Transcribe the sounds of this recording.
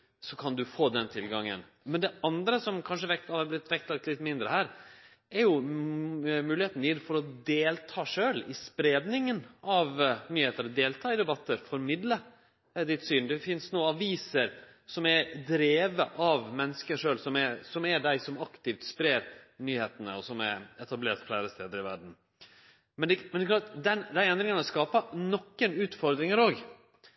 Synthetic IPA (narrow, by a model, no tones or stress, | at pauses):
sɔkʰɑnd̪ʉfoːd̪ɛnt̪ʰɪlɡɑŋːə̰n | mɛnd̪ɛʔɑnd̪ɾəsɔmkʰɑnʂəʋɛɑɾblɪt̪ːʋɛk̚t̪lɑk̚t̪lɪt̪ːmɪnd̪ɾəhæːɾ | ɛɾjʊ | mʉːlɪheːt̪njɪd̪fɔɾɔd̪eːlt̪ʰɑːʂøːlɪspɾeːd̪nɪŋənɑʋnyːheːt̪əɾɔd̪eːlt̪ʰɑːɪd̪ɛbɑt̪ʰːəɾfɔɾɔmɪd̪lə | d̪ɪt̪syːnd̪ɛfɪnsnoːɑʋiːsəɾ | sɔmɛɾd̪ɾeːʋəʔɑʋmɛnːəskəʂøːlsɔmɛsɔmæɖæɪsɔmɑkt̪ɪft̪spɾeːɾnyːheːt̪ənə̰ɔsɔmæ̰ɾɛt̪ɑbleːɾʈ̪flæːɾəst̪eːd̪əɾɪʋæɖɳn̩ | mɛnmɛnɛkʰlɑːʈ̪d̪ɛnd̪æɪɛnd̪ɾɪŋɑnəskɑːpənɔkːənʉːt̪fɔɾd̪ɾɪŋəɾoːɡ